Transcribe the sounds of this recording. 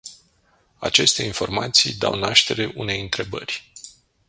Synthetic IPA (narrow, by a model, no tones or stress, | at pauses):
a̰t͡ʃe̞st̪e̞info̞rmat̪sḭjd̪a̰wnaʃt̪e̞ɾe̞ʔune̞jɨnt̪ɾe̞bə̰rʲ